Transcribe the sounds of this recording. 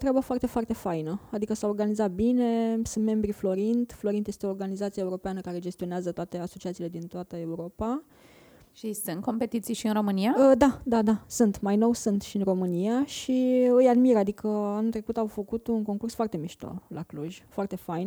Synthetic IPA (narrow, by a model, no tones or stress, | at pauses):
t̪ɾeabəfoart̪e̞foart̪e̞fajnəad̪ikəsaorɡanizat̪̚bine̞sunt̪me̞mbɾiflo̞ɾint̪flo̞ɾint̪je̞st̪eoːrɡanizat̪sijae̞uɾo̞peanəkaɾe̞d͡ʒe̞st̪io̞neazət̪oat̪e̞aso̞t͡ʃiat̪siːle̞d̪int̪oat̪əe̞uɾo̞pa | ʃisɨnt̪̚ko̞mpe̞t̪it̪sijʃiɨnɾo̞mɨniaəd̪ad̪ad̪asunt̪majno̞wsunt̪ʃiɨnro̞mɨniaʃiɨjad̪miɾad̪ikʰəanut̪ɾe̞kut̪awfəkut̪unko̞ŋkursfoart̪e̞miʃt̪o̰la̰kluʒʲfoart̪e̞fajn